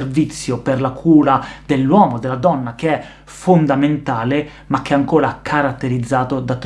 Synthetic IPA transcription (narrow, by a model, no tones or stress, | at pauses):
rvit̪sːjoperlakʰuːɾad̪elːwɔːmod̪elːad̪ɔnːakeɛ | fond̪ament̪aːle | mak̟ːeɛaŋkoːɾakʰaɾat̪ːeɾid̪zːaːt̪od̪at̪ː